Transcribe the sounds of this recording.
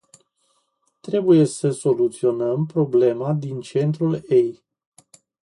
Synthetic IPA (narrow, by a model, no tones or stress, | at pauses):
t̪ɾe̞buje̞səso̞lut̪sio̞nəmpɾo̞ble̞mad̪int͡ʃe̞nt̪ɾulej